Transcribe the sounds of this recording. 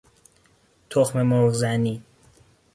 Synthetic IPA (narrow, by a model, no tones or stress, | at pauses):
t̪ʰoxmemoɾɣzæniː